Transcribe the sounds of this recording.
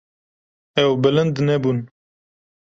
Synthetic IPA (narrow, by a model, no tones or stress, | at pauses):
ɛwbɪlənd̪nebun